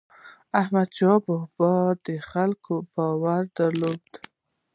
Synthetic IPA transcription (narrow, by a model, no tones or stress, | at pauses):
ahmad̪̚t͡ʃɔbohbɔd̪əxalkobawaɾd̪aɾlod̪̥